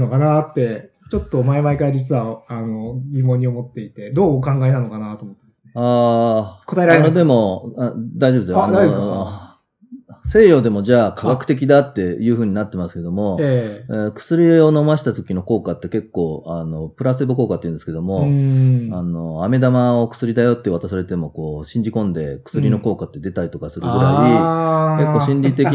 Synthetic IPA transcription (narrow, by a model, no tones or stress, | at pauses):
nokanat̪ːe̞ | t͡ɕo̞t̪ːo̞maemaekaɾad͡ʑit͡sɨβaano̞ɡʲimõ̞ɲ̟ːiomo̞t̪ːe̞it̪e̞d̪o̞ːkãŋɡaet̪ano̞kanat̪oːmot̪ːemḁsneaːkot̪aɾad̪e̞mo̞ | d̪aiʑobɯd̪esa | se̞ːjo̞d̪e̞mo̞d͡ʑaːkʰaɡakɯ̟̥t̪e̞k̬ʲid̪at̪ːe̞jɯ̟ːɸɯ̟ːɲ̟inat̪ːe̞masɨ̥ke̞d̪o̞mo̞eekɯ̥sɨɾʲio̞no̞maɕi̥t̪at̪o̞kʲino̞ko̞ːkat̪ːe̞ke̞kːo̞ːano̞pɯ̟ɾasɨbɯko̞ːkat̪ːeiɯ̟nd̪sɨ̥ke̞d̪o̞mo̞ | ano̞ame̞d̪amao̞kɯ̟̥sɨɾʲid̪ajo̞t̪ːe̞β̞at̪asaɾe̞t̪e̞mo̞ko̞ːɕĩɲ̟d͡ʑikõ̞nd̪e̞kɯ̟̥sɨɾʲino̞ko̞ːkat̪ːe̞d̪e̞t̪aɾit̪o̞kasɨɾɯ̟ɡɯ̟ɾaiike̞kːo̞ːɕĩɲɾʲit̪ekʲi